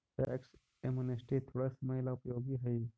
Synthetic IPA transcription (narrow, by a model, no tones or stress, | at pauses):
ʈḛʔeks | emunesʈit̪ʰoːɽasɐməjlaʊpjoːɡiɦɐi